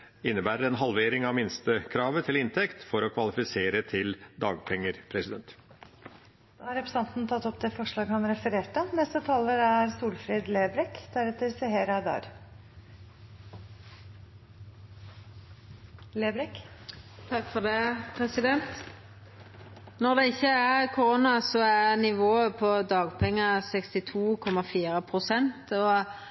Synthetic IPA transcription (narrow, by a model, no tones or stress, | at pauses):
ɪnːəbæːɾəɾɛnɦɑlʋeːɾɪŋɑʋmɪnst̪əkʰɾɑːʋət̪ʰɪlɪnt̪ʰɛkt̪fɔɾɔkʰʋɑlɪfɪseːɾət̪ʰɪld̪ɑːɡpʰɛŋːəɾpʰɾɛsɪd̪ɛnt̪ | d̪̥ɑːhɑɾɛpʰɾəsɑnt̪n̩t̪ʰɑt̪ːɔpd̪ɛfɔʂɭɑːɡəhɑnɾɛfəɾeːʈənɛst̪ət̪ʰɑːləɾæɾsuːlfɾeːd̪leːbɾɛkd̪̥æɾɛt̪ːəɾsɪɦeːɾɑd̪ɑ̰ːɾ | leːbɾɛkt̪ʰɑkːfɔd̪ɛpʰʁɛsɪd̪ɛnt̪ | nɔd̪ɛɪçːəækʰʊɾonɑsɔæɾnɪʋoːəpʰɔd̪ɑːɡpʰɛŋːɑsɛkst̪ɪt̪ʰuːkʰɔmːɑfiːɾəpʰɾʊsɛnt̪ɔ